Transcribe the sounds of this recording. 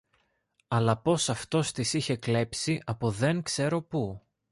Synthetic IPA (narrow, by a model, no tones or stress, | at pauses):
ɐlɐpo̞sɐft̪o̞st̪isiçe̞kle̞psiʔɐpoðe̞ŋkse̞ɾo̞pu